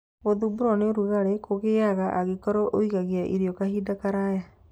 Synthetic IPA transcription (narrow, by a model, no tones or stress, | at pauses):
ɣoðubuɾɔneoɾuɣaɾekoɣeaɣaʔaɣekɔɾɔʔoiɣaɣeaʔiɾiɔkahiːdakaɾaja